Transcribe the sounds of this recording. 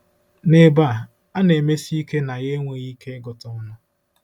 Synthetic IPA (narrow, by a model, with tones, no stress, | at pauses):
ne˨ba˦˨ | a˦ne˨me˦si˦ke˦na˨ɣe˦ŋʷe˨ɣi˦kʰe˦ɡʊ˨tɔ˨˦nʊ˦